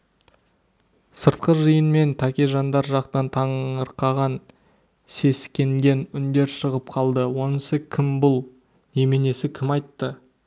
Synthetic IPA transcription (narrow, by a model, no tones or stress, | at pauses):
səɾt̪̚qəʒəjənme̞nt̪ʰakʲeʒɑnd̪ɑɾʒɑqt̪ɑnt̪ʰɑɴəɾqɑʁɑn | se̞skʲe̞ŋɡʲe̞nʏnd̪e̞ɾʃəʁəp̚qʰɑlˠd̪əwo̞nəsəkʲʰɪmbʊlˠ | ne̞mene̞sɪkʲʰɪmɑjt̪ːə